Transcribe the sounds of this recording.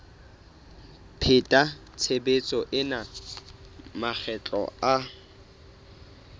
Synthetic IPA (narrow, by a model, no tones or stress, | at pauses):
pʰɪtʼat͡sʰebet͡sʼɔʔɪna | mak͡xʰɛt͡ɬʼɔ̰a